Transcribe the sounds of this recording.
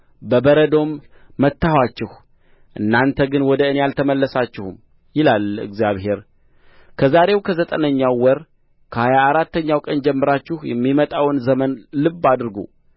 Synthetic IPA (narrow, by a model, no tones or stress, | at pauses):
bəbəɾəd̪o̞mː | ət̪ːahwat͡ʃːɪh | ʔɨnːant̪ʰəɡɨnwɔd̪əɨnejalt̪ʰəməlːəsat͡ʃːɪhum | jɪlalɨ̰ɡzjaβhe̞ɾ | kʰəzaɾe̞wkʰəzət̪ʼənəɲːawːɔɾ | kʰəhajaːɾat̪ːəɲːawkʼənd͡ʒɛmːɨɾat͡ʃːɪhjɛmːimət̪ʼawnzəmənlɨbːad̪ɨɾɡṵ